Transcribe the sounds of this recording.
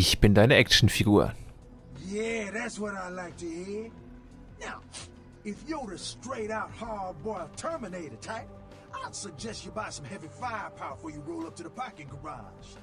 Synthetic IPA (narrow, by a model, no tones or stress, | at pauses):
ɪçb̥ɪndaɪnəʔɛk̚ʃn̩fiɡṵːɐ̰ | jæðætswʌɾaɪlaɪk̚tɨhiɹ | naʊ | ɪfjəɾɨstɹ̥eɪɾaʊt̚hɑɹbɔɹv̥tʰɜ˞mɨneɪɾɨd̚tʰaɪp̚ | asɨɡ̚d͡ʒɛst͡ʃɨbaɪsʌ̃mɦɛvifaɪə˞pʰaʊəfə˞jɨɹoʊlˠʌp̚tʰɨðəpʰɑkɨ̃nɡə˞ɑ | ʒ̥